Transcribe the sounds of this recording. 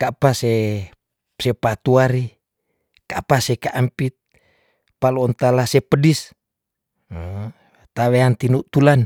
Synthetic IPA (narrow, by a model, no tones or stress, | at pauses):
kapase | sepat̪uaɾi | kapasekaʔampit̪̚ | paluɔnt̪alasepədis | t̪aβeant̪inuʔt̪ulan